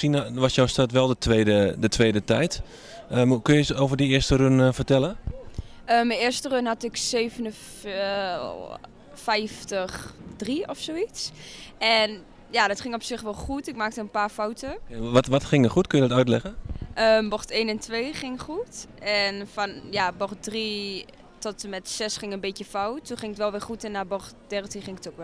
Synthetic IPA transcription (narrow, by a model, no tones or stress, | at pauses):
sinʋɔsjawstatʋɛlˠdətʋeːdədətʰʋeːdətɛjt | əmkønjəsoːvərdiɪəstəɾønfərtɛlə | əmɛɪːrstərønhatɪkseːvənə | fɛjftəxdriɔfsoːisɛn | jadɔtχɪŋɔpsɪχʋɛlˠχutɪkmaːk̚təənpaːɹfawtəʋɔtʋɔtχɪŋəχutkønjədɔtœɥtlɛχəəmbɔrteːnɛntʋeːχɪŋχutɛnfɔnjabɔrt̚dri | tɔtəmɛtsɛsχɪŋənbejəfɔwtːunχɪŋɪtʋɛlˠʋɪɹχutɛnːabɔχtd̥ɛrtinχɪŋɪkətokʋɛ